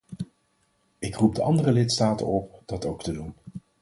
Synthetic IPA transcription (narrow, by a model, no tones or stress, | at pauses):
ɪkrup̚dəʔɑndərəlɪtstaːtə̰nɔp̚d̥ɑtowktədun